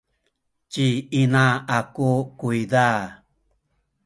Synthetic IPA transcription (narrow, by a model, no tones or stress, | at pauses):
t͡ʃiinaakukuiða